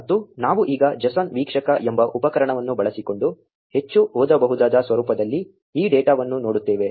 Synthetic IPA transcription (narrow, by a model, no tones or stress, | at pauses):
ɐt̪ːunaːʋuʔiːɡɐd͡ʒɐsɐnʋiːkʂɐkɐʔembɐʔupɐkɐɾɐɳɐʋɐnːubɐɭɐsiko̞ɳɖu | he̞t͡ʃːuɦɔːd̪ɐbɐɦud̪aːd̪ɐsʋɐɾuːpɐd̪ɐlːi | iːɖeːʈaːʋɐnːunoːɽut̪ːeːʋe̞